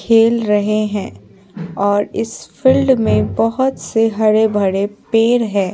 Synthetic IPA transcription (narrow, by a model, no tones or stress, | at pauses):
kʰeːlɾɐɦeɦɛ̃ː | ɔːɾɪsfɪlɖmẽbɐɦʊt̪seɦɐɾebʱɐɽepeːɾɦɛ̃ː